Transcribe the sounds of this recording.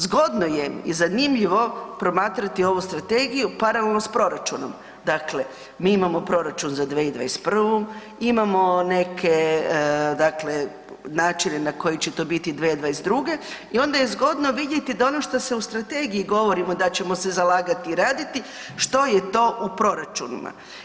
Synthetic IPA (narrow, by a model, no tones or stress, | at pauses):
zɡo̞d̪nojeḭzanimʎiʋo̞pɾo̞maːt̪ɾat̪io̞ʋust̪ɾat̪e̞ɡijupaɾalelnospɾo̞ɾat͡ʃuno̰m | d̪akle̞ | miːimamo̞pɾo̞ɾat͡ʃunzad̪ʋeid̪ʋajespr̩ʋom | imamo̞ne̞kʰe̞ | d̪akle̞ | naːt͡ʃinenako̞jit͡ɕe̞t̪o̞ːbit̪id̪ʋeid̪ʋajesd̪ɾuɡe̞io̞nd̪ajezɡo̞d̪no̞ʋid̪jet̪id̪aonoʃt̪ose̞ust̪ɾat̪eɡijiɡo̞ʋo̞ɾimo̞d̪at͡ɕe̞mosezalaːɡat̪iːɾaːd̪it̪i | ʃt̪o̞jet̪o̞ːʔupɾo̞ɾat͡ʃunḭma̰